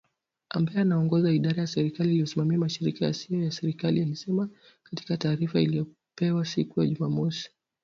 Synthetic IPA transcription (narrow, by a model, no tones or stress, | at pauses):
ʔa̰mbajɛanaɔŋɡɔzaiɗaɾajasɛɾikaliːlijɔsimamiamaʃiɾikaja̰siɔjasɛɾikalijalisɛma | kati̥kataːɾifailijɔ | pɛwasikujaʄumamɔsi̥